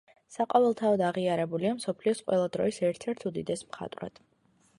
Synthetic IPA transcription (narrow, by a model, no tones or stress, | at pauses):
saqʼɔvɛlˠt̪ʰaɔd̪aʁiaɾɛbuliamsɔpʰliɔsqʼwɛ̰lˠad̪ɾɔ̰isɛɾt̪ʰɛɾt̪ʰud̪id̪ɛsmχa̰t̪ʼwɾa̰d̪̥